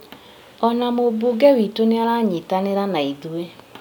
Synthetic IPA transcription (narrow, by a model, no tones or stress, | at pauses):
ɔnamoboɡɛwitoneaɾaɲetaneɾanaiðue